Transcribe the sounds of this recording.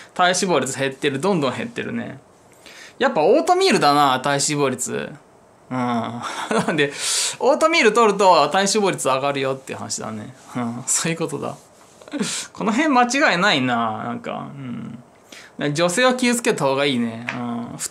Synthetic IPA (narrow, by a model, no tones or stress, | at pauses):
t̪aiɕibo̞ːɾʲit͡sɨɦe̞t̪ːe̞ɾɯ̟d̪õ̞nd̪õ̞ɦe̞̰t̪ːe̞̰ɾɯ̟̰ne̞̰ | japːao̞ːt̪o̞mʲiːɾɯ̟d̪anat̪aiɕiβo̞ːɾʲit͡sɨ̰ | ɯ̟̃ːnãnd̪e̞o̞ːt̪o̞mʲiːɾɯt̪o̞ɾɯ̟t̪o̞t̪aiɕibo̞ːɾʲit͡sɨaɡaɾɯ̟jo̞t̪ːeiɯ̟ha̰na̰ɕid̪a̰ne̞̰ɯ̟̃ɴsoːjɯ̟ko̞t̪o̞d̪a̰ | kʰo̞no̞ɦẽ̞mmat͡ɕiɡaenainaːnã̰ŋka̰ɯ̟̃ɴ | d̪ad͡ʑo̞se̞ːo̞kʲiɯt͡sɨ̥ke̞t̪aho̞ːɡaiːne̞ɯ̃ːɸɯ̟̥